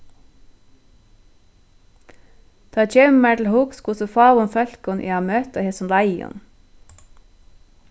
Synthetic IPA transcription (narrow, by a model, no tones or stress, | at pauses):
t̪ʰɑːt͡ʃemmæːʈl̩hukskʊsəfɑːʋʊnfœlkɔnʔḛːɑːmøːt̪ɑhɛsɔnlɑɪʊ̰n